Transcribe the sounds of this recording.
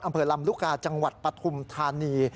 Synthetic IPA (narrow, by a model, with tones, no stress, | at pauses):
ʔa˧mpʰɤː˧la˧mlu˦˥˩kaː˧t͡ɕa˧ŋwa˨˩t̪̚pɾa˧t̪ʰu˧mt̪ʰaː˧niː˧